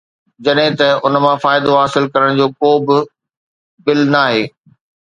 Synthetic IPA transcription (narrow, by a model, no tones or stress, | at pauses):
d͡ʑɐɗɦɪ̃t̪ɐʊnmãfaːɪd̪oɦaːsɪlkɐɾəɽ̃d͡ʑoːkoːbɪ | bɪlnaːɦeː